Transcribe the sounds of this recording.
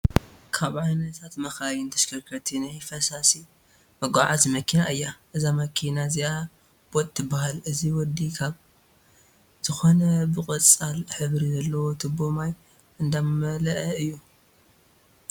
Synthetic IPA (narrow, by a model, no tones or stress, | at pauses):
kʰaβʕajnɐt̪ʰat̪mɐxawint̪ʰɐ̥ʃkʰɐkʰɐt̪ʰinajfɐsasi | mɐɡʷaʕazmɐkʰinaʔɨjːaʔɨzamɐkʰinazia | b̥ot̪ʼːɨbahalɨziwɔd̪ikʰaβ | z̥ɨxonɐbɨkʼɨt͡sʼalħɨβɾizɐlːɐwo̞t̪ʰɨbomaj | ɨnd̪ammɐlɐʔɐɨjːu